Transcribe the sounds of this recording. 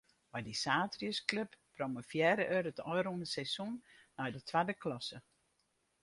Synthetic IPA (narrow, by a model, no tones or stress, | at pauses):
ʋajdisaːtriəskløpːrɔməfjɛːɾəʔøɾətɔjɾunəsɛsunː | ɔjdətʰʋadəklɔsə